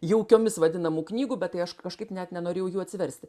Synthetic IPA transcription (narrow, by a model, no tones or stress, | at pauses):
jɛʊkʲoːmʲɪsʋɐd̪ʲɪnɐmuːknʲiːɡuːbʲɛt̪t̪ɐɪɐʃkɐʃkɐɪpnʲɛt̪nʲɛnoːɾʲeːjɛʊjuːɐt̪ʲsʲɪʋʲɛɾʲsʲt̪ʲɪ